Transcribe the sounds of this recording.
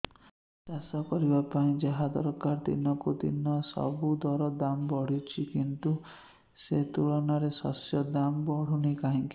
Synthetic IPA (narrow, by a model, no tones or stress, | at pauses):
t̪asɔkɔɾibapaĩd͡ʒaɦad̪ɔɾɔkaɾd̪ḭnɔkud̪ḭnɔsɔ̰bud̪ɔɾɔd̪ambɔɽ̤it͡ʃʰikint̪u | set̪uɭɔnaɾesɔ̰sjɔd̪ambɔɽ̤unikaɦĩŋki̥